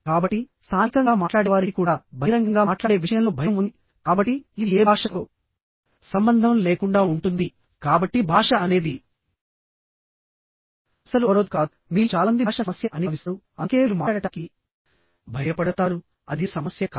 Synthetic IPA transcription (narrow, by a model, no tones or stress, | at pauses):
kaːbɐʈːist̪ʰaːnikɐŋɡaːmaːʈlaːɽɛʋaːɾikuːɽaːbʱɐɾɐŋɡɐŋɡaːaːʈlaːɽe̞ːʋiʂɐjɐmlo̞ːbʱɐjɐmund̪i | kaːbɐʈːiid̪ieːbʱaːʂɐt̪oː | sɐmbɐnd̪ʱɐmleːkuɳɖaːuɳʈund̪i | kaːbɐʈːibʱaːʂɐɐne̞ːd̪i | ɐsɐluɾod̪ukaːd̪umiːut͡ʃaːlɐɐnd̪iːʂɐmɐsjɐʔɐneːʋisɐu | ɐŋkeːiːlumaːɽɐʈaːki | bʱɐjɐpɐɽɐt̪aːɾu | ɐd̪isɐmɐsjɐk